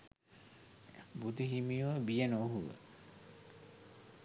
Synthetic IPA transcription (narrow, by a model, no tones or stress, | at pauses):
bud̪iɦimijuʋbijənoɦuʋə̰